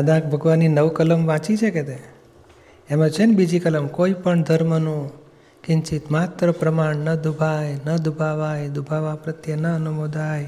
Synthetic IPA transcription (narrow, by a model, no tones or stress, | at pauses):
ad̪ak̚bʱəɡʋanːinəʋkələmʋãt͡ʃit͡ʃʰeket̪e | emãt͡ʃʰenbid͡ʒikələmkoipəɳd̪ʱəɾmənũ | kɪɲt͡ʃit̪mat̪ɾəpɾəmaɳnəd̪ubʱajnəd̪ubʱaʋajd̪ubʱaʋapɾət̪jənəːnumod̪ʱaj